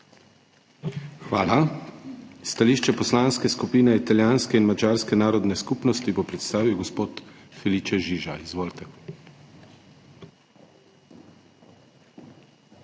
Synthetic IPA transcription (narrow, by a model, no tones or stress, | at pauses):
xʋaːla | st̪aliːʃt͡ʃɛpɔslaːnskɛskupiːnɛit̪aljaːnskɛinmad͡ʒaːɾskɛnaːɾɔd̪nɛskupnɔst̪ipɔpɾɛt̪st̪aːʋiwɡɔspoːt̪ | fɛlit͡ʃɛʒiːʒa̰izʋoːlt̪ɛ